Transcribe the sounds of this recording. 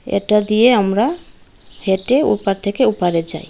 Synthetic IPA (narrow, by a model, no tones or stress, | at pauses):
ɛ̰ʈad̪ijeəmɾa | hɛʈeṵpaɾt̪ʰɛkeupaɾɛd͡ʒa̰j